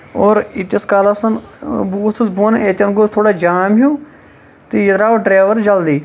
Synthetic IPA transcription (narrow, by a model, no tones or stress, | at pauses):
oːɾit̪jɐskaːlasɐnbuːt̪ʰusboːnet̪ʲɐnɡost̪ʰoːɽaːd͡ʒaːmɦũː | t̪ijət̪ɾaːʋɖɾeːʋəɾd͡ʒɐld̪iː